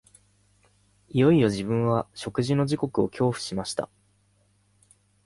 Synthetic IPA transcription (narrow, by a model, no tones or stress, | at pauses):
ijo̞ijo̞ʑibɯ̟̃ɰ̃βaɕo̞kɯ̟ʑino̞ʑiko̞kɯ̟o̞kʲʰo̞ːɸɯ̥ɕimaɕi̥t̪a̰